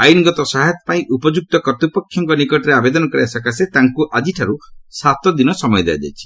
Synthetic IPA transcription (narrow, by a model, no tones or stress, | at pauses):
ajuniɡɔt̪ɔsaɦjt̪ɔpaĩʔupɔd͡ʒuk̚t̪ɔkɔɾt̪upɔkʰːjɔŋkɔnikɔʈɔɾeabed̪ɔnɔkɔɾiasakaset̪aŋkuʔad͡ʒiʈʰaɾusat̪ɔd̪inɔsɔmɔjɔd̪ḛa̰d͡ʒa̰jt͡ʃʰi̥